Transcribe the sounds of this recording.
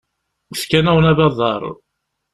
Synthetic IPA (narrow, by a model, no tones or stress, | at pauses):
θkænæwənæβɑðˤɑɾˤ